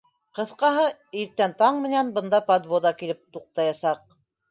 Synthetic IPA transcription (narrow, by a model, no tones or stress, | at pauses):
qɤ̆θqɑɦɤiɾt̪ːænt̪ɑɴmɘ̆nænbɤ̆nd̪ɑpad̪vod̪ɑkilɘp̚t̪uq̚t̪ɑjɑsɑq̚